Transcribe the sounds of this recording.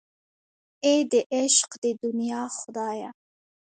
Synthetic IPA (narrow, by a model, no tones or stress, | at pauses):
ed̪eʔeʃqd̪̥ed̪unjɑːχʊd̪ɑːja